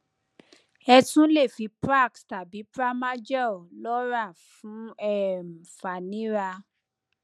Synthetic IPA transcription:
ɛ˧tũ˦le˦˨fi˨˧pɾa˦˨ksta˨bi˨˦pɾa˦ma˦d͡ʒɔ˦˨lɔ˦ɾa˦˨fũ˨˦ɛ˦˨m̩˨fa˨nĩ˦ɾa˧

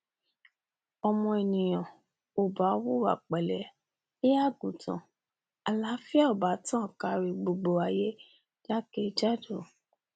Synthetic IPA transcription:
ɔ˧mɔ̃˧e˨nĩ˨j̃ã˨ | o˨ba˨˦wo˦wa̰˨k͡pɛ˨lɛ˨˦ | e˦a˦˨ɡũ˨tã̰˨ | a˨la˨˦fi˦a˦o˨ba˨˦tã˦˨ka˧ɾi˧ɡ͡bo˨ɡ͡bo˨a˨je˦ | d͡ʒa˦ke˦d͡ʒa˦do˦˨

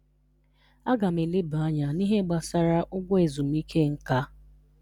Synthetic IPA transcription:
a˦ɡa˨m̩e˨le˦bʊ˨a˦ɲa˨ni˦ɦe˦ɡ͡ba˨sa˦ɾa˦ʔʊ˦ɡʷʊ˦e˨zu˨m̩˦i˦kʰe˦˨ŋ̩˦ka˦

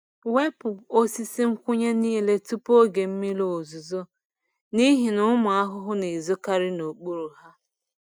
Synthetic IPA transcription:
we˦pʊ˨o˦si˦si˦ŋ̩˦kʷʊ˦ɲe˦niː˦le˦tu˦po˦ɡe˨m̩˦mi˦lo˦o˨zu˨zo˦ | ni˦ɦi˨nʊ˦mʊ˨a˦ɦʊ˦ɦʊ˦ne˨zo˦ka˦ɾɪ˦no˨k͡pu˦ɾu˨ɦa˦

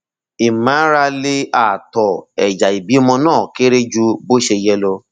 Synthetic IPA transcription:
i˨mã˨˦ɾa˧le˦a˨tɔ˨ɛ˨d͡ʒa˨i˨bi˨˦mɔ̃˧nãː˦˨ke˦ɾe˦d͡ʒu˦bo˦ʃe˧jɛ˧˦lɔ˧

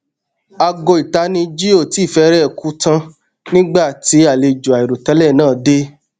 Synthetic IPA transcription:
a˧ɡo˧˨i˨ta˨˦nĩ˧d͡ʒi˦o˦˨ti˨˦˨fɛ˧˦ɾɛ˦˨ku˨˦tã˧ | nĩ˦ɡ͡ba˦˨ti˨˧˦a˨le˧d͡ʒu˨a˨i˨ɾo˨tɛ˨˦lɛ˦˨nãː˦˨de˦

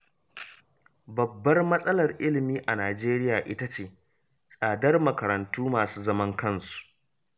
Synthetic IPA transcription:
bɐ˨bːɐ˦rmɐ˦sʼɐ˦lɐ˨rʔɪ˦lɪ˨miː˦ʔa˨naː˨d͡ʒeː˦ɾɪ˦jaː˨ʔɪ˦ta˦t͡ʃeː˨ | sʼaː˨dɐ˦rmɐ˨kɐ˨ɾɐ˨ntuː˦maː˨suː˦zɐ˦mɐ˦ŋkɐ˦˨nsu̥˨ʔ

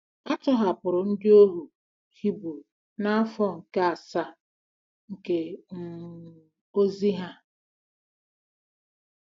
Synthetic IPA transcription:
a˦t͡ʃɔ˦ɦa˨pʊ˨ɾʊ˨n̩˦dɪ˦o˦ɦu˨ | hi˦bu˨ | na˦a˦fɔ˦ŋ̩˨ke˦a˨sa˦ | ŋ̩˨ke˨m̩˦ | o˦zi˦ɦa˦

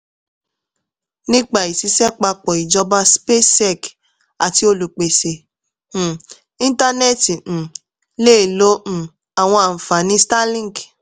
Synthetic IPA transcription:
nĩ˦k͡pa˨i˨si˨˧˦sɛ˦k͡pa˧k͡pɔ˨i˨d͡ʒɔ˧ba˧spe˦sɛ˦˨k | a̰˨ti˧˦o˧lu˨k͡pe˨sẽ˨ | ĩ˦n˦ta˦nɛ˦˨tĩ˨ | le˦˨lõ˨˦˨ | a˨w̃ɔ̃˧a˨m̩˨fa˨nĩ˨˦sta˦lĩ˦˨k

